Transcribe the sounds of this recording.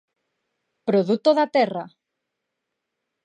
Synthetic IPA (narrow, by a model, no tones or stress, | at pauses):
pɾoðut̪oðat̪ɛra